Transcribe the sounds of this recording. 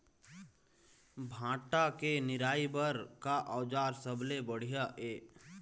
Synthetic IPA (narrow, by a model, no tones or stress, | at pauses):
bʱãːʈakenɪɾaːibəɾkaʔəːd͡ʒaːɾsəblebəɽ̤ijaʔeː